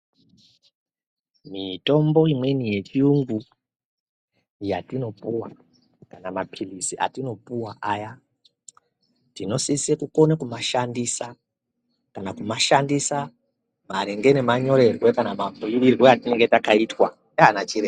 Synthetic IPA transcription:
mito̞mbo̞imwe̞nije̞t͡ʃiuŋɡu | jatino̞puwa | kanamapʰilisiʔa̰tino̞puwaʔaja | tino̞sisiekukonekumaʃandisa | kanakumaʃandisa | maɾeŋɡenemaɲo̞ɾe̞rwe̞kanamabujuʋirwo̞jatineŋɡe̞takaitwa | aanat͡ʃiɾe

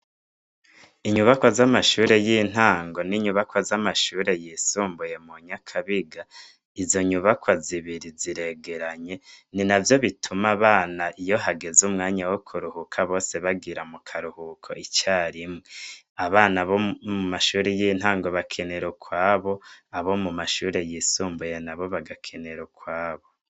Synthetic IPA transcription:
iɲuβakwozamaʃuːɾe̞jiːn̥haːŋɡo̞niɲuβakwozamaʃuːɾe̞jisuːmbuje̞muɲakʰaβiɡa | izo̞ɲuβakwoziβiɾiziɾe̞ɡe̞ɾaɲe̞ninavjo̞βitʰumaβaːnaʔijo̞ɦaɡe̞zumŋaːɲawokʰuɾuhukʰaβo̞ːse̞βaɡiɾamukʰaɾuhukʰo̞̰ʔit͡ʃaːɾimŋe | aβaːnaβomumaʃuːɾejiːn̥haːŋɡo̞βakʰe̞neɾokwaːβo̞aβo̞mumaʃuːɾe̞jisuːmbuje̞naβo̞βaɡakʰe̞ne̞ɾokwaːβo̞

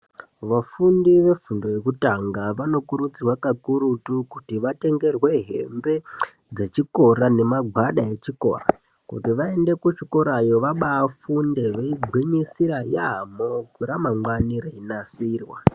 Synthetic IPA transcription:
ʋafundiʋe̞fundo̞je̞kutaŋɡaʋano̞kuɾut͡sirwakakuɾutukutiʋate̞ŋɡe̞rwe̞ɦe̞̰mbe̞ | d͡ze̞t͡ʃiko̞ɾane̞maɡʱwaɗae̞t͡ʃiko̞̰ra | kṵtiʋae̞nde̞kut͡ʃiko̞ɾajo̞ʋaɓaːfunde̞ʋeiɡʱwiɲisiɾajamokuɾamaŋwaniɾeinasiːrwa̰

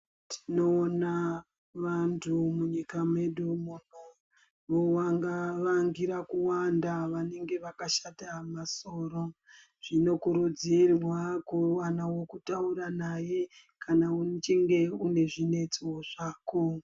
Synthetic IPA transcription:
tʰi̥no̞ːna | ʋantʰumuɲikamwe̞ɗumun̤u | ʋowaŋɡaʋaŋɡiɾakuwandaʋane̞ŋɡe̞ʋakaʃatamaso̞ːro | ʐ̥ino̞kuɾud͡zirwakuwanawo̞kutauɾanaje̞ | kanaut͡ʃeŋɡe̞une̞ʐine̞t͡siwoʐaːko

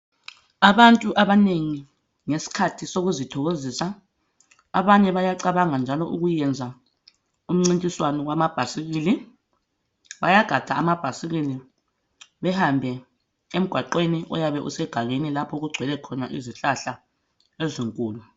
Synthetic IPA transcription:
aβantʼuʔaβaneŋi | ŋesi̥kʰatʰisoɣuzitʰɔɣozisa | aβaɲɛβajaǀaβaŋand͡ʒʱalɔʔṵɣujɛnd͡zʱa | um̩ŋ͡ǀintʼiswanɔɣwamab̥ʱasiɣiːli | βa̰jaɡ̥ʱad̥ʱaːmab̥ʱasiɣili | βɛhambʱɛ | em̩ɡ̥ʱwaǃweniʔɔ̰jaβɛʔṵsɛɡ̥ʱaɣenilapʰɔɣuɡ͡ǀʱwɛlɛkʰɔnaʔiziɬaɬa | eziŋkʼuːlu

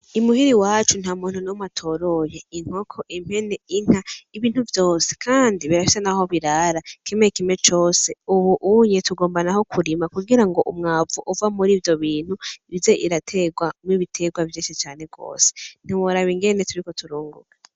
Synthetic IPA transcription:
imuɦiɾiwaːt͡ʃun̥hamuːn̥unomatʰo̞ɾo̞jeiŋ̥hokʰoʔim̥he̞ne̞iŋ̥haiβiːn̥huvjo̞ːse̥kʰaːndiβiɾafi̥senaho̞βiɾaɾakimekime̞t͡ʃo̞ːse̞uβuʔuɲetuɡo̞ːmbanaho̞kʰuɾimakuɡiɾaŋɡo̞ʔumŋaːvuʔuvamuɾiːvjo̞βiːn̥huivze̞ʔiɾatʰe̞ɡwamiβitʰe̞ɡwavjeːʃit͡ʃaːne̞ɡo̞̰ːse̥n̥iwoɾaβiŋɡe̞ne̞tuɾiko̞tʰuɾuːŋɡṵɡa

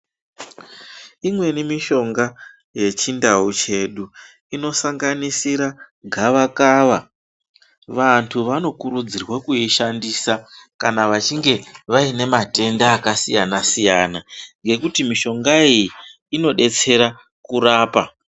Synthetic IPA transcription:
imwe̞nimiʃo̞ŋɡa | je̞t͡ʃindaut͡ʃe̞ɗu | ino̞saŋɡanisiɾaɡʱaʋakaːʋa | ʋantʰuʋano̞kuɾud͡zirwakuiʃandiːsakanaʋat͡ʃiŋɡe̞ʋaine̞mate̞ndaːkasijanasijanaŋɡe̞kutimiʃo̞ŋɡaiji | ino̞ɗe̞t͡se̞ɾa | kuɾaːpa

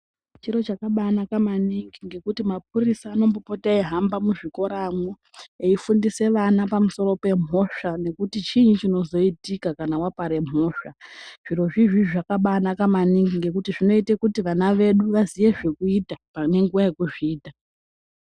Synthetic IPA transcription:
t͡ʃiɾo̞t͡ʃakaɓanakamaniŋɡiŋɡe̞kutimap̚urisaːno̞mbopotaiɦambamuʐiko̞ɾamwo | eifundise̞ʋanapamuso̞ɾo̞pe̞mʱo̞ʂane̞kutit͡ʃiɲut͡ʃino̞zo̞itikakanawapaɾe̞m̤o̞ːʂaʐ̥iɾo̞ʐiʐiʐakaɓanakamaniŋɡiŋɡe̞kutiʐino̞itekutiʋanaʋe̞ɗuʋazije̞ʐe̞kuitapane̞ŋɡuwaje̞kuʐiːta

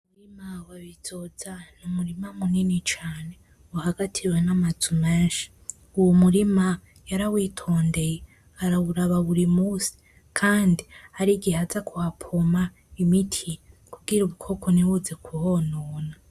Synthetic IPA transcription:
umuɾimawaβizozanumuɾimamuninit͡ʃaːne̞ | wahaɡatʰiwenamazumeːnʃi̥ | uwomuɾima | jaɾawiːtʰoːnde̞je | aɾaβuɾaβaβuɾimusi̥ | kʰaːndiaɾiɡihazakuhapʰoma | imitʰijkuɡiɾuβukʰo̞kʰoniwuze̞kuhonoːna

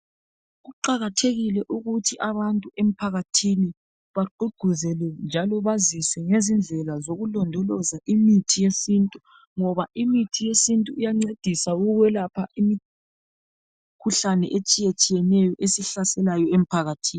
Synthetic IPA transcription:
ɣuǃaɣatʰeɣilɛʔuɣutʰiʔaβantʼuʔem̩pʰaɣatʰini | βaɡ͡ǃuɡ͡ǃ̥ʱuzɛlɛnd͡ʒʱalɔβazisɛŋezind͡ɮʱɛlazoɣulɔndʱɔlɔzaʔimitʰijesintʼu | ŋɔβaʔimitʰijesintʼuijaŋ͡ǀed̥ʱisauɣɣwɛlapʰaʔimi | kʰuɬanɛ̰ʔet͡ʃʼijet͡ʃʼijɛnɛjɔʔesiɬasɛlajɔem̩pʰaɣatʰiːn

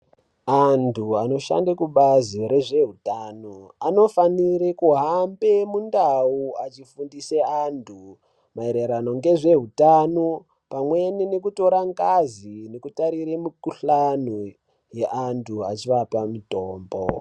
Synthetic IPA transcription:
antʰuano̞ʃa̰ndakuɓaziɾe̞ʐe̞ɦutaːnoano̞faniɾekuɦambe̞mundauat͡ʃifundiseantʰu | maeɾeɾano̞ŋɡe̞ʐe̞ɦutano | pamwe̞nine̞kuto̞ɾaŋkazinekutaɾiɾemikuɬano | je̞ʔantʰua̰t͡ʃiʋapamitoːmbo̰

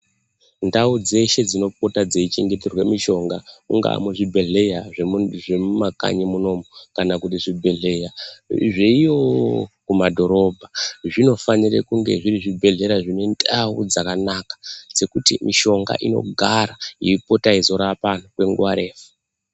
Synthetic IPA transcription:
ndaud͡ze̞ʃe̞d͡zino̞po̞tad͡zeit͡ʃe̞ŋɡe̞terwe̞miʃo̞ŋɡauŋɡa̰muʐibʱe̞ɮe̞jaʐeʐemmaka̰ɲimuno̞mokanakutiʐibʱe̞ɮe̞jaʐeijo̞kumadʱo̞ɾo̞bʱaʐino̞fanirḛkuŋɡe̞̰ʐiɾiʐibʱe̞ɮe̞ɾaʐine̞ndaud͡zakanakḁd͡ze̞kutḭmiʃo̞ŋɡa̰ʔino̞̰ɡʱaɾaiipo̞taizo̞ɾapanokwe̞ŋɡuwaɾe̞ːfu̥

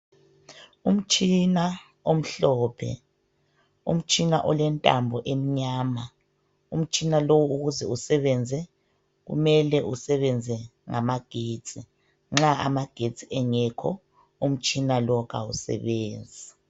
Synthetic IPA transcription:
um̩t͡ʃʼina | om̩ɬɔːpʰɛ̰ | ṵm̩t͡ʃʼina̰ʔɔlɛntʼa̰mbʱɔʔem̩ɲaːma | um̩t͡ʃʼinalowuɣuzɛusɛβɛnd͡zʱɛ | ɣṵmɛlɛʔusɛβɛnd͡zʱɛŋamaɡ̥ʱe̥ːt͡sʼi | ŋ͡ǁaa̰maɡ̥ʱe̥z̥ʼiɛŋɛkʰɔ̰ | um̩t͡ʃʼinalɔɣʰausɛ̰βɛːnd͡zʱi

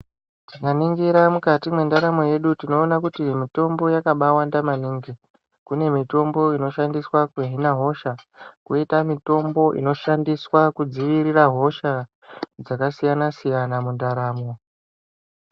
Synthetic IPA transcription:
tikaniŋɡiɾamukatimwe̞ndaɾamo̞je̞ɗutino̞ːnakutimito̞mbo̞jakaɓawandamaniːŋɡi | kune̞mito̞mbo̞ino̞ʃandiswakuɦinaɦo̞ʃakuitamito̞mbo̞ʔḭno̞ʃandiswakud͡ziʋiriraɦo̞ʃa | d͡zakasijanasijanamundaɾaːmo̞

